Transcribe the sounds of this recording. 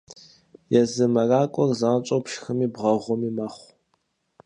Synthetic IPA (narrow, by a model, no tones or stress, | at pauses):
jɛzɨmɐraːkʷʼɔrzaːnt͡ʃʼowpʰʃxɨmiːbʁɐʁʷɔmiːmɐχʷ